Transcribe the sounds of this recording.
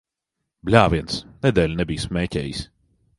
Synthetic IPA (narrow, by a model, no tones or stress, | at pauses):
blʲaːviɛnsnɛd̪ʲɛːlʲnɛbʲiːsmɛːcʲɛ̰ːjisʲ